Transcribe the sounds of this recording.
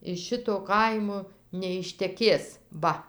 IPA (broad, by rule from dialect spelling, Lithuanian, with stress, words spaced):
ɪʃ ˈʃʲɪtoː ˈkɐɪmoː nʲɛɪʃʲtʲɛˈkʲeːs ˈʋɐ